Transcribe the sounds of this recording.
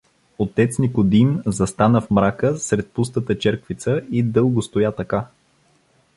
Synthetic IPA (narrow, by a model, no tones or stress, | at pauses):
ot̪ɛt̪snikod̪imzɐst̪anəfmɾakəsɾɛt̪̚pust̪ət̪ət͡ʃɛɾkvit̪səid̪ɤlˠɡʊst̪ojat̪ɐka